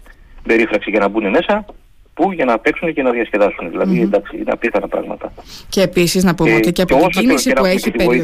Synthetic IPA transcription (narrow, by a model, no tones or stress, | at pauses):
be̞ɾifɾɐksiʝɐnɐbune̞me̞sɐ | puʝɐnɐpeksunecenɐðiɐsce̞ðɐsuneðilɐðind̪ɐksiḭneɐ̰pit̪ɐnɐpɾɐ̰ɣmɐ̰t̪ɐceːpisiznɐpopot̪eceɐpoosoinisiueçit̪ipeɾo